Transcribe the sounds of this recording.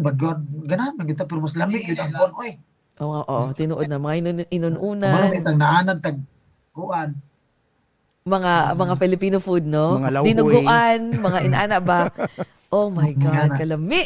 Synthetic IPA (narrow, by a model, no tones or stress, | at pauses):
baɡod̪̚ɡɐnamɪɡɪt̪opɛɾomaslamɪɡɪd̪ɐŋpʊonʔoj | ʔoʔoʔot̪ɪnuʔod̪̚nɐmɐŋaɪnɪnʊnʔuːnamanit̪aɡ̚naʔaːnant̪aɡ̚ | ɡʊʔan | mɐŋamɐŋafɪlɪpiːnofʊd̪̚noŋalad̪ɪnʊɡʊʔanmɐŋaʔɪnʔaːnaʔba | ʔomajɡad̪kɐlɐmɪʔ